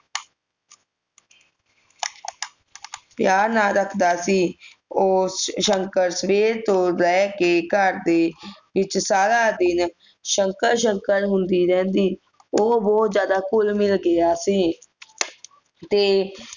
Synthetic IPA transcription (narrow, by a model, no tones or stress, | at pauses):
pjaːɾnaːɾəkʰd̪aːsiː | oːsʃəŋkəɾsəʋeːɾt̪õːlɛːkeːkəɾd̪eːʋɪt͡ʃsaːɾaːd̪ɪn | ʃəŋkəɾʃəŋkəɾɦʊnd̪iːɾɛ̃ːnd̪iː | oːbɔːt̪zjaːd̪aːkʊlmɪlɡɪaːsiː | t̪eː